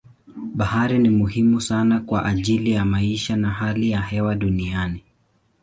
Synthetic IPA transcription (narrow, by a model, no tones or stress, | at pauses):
ɓahaɾinimuhimusanakwaʔaʄilijamaiʃanahalijahɛwaɗuniani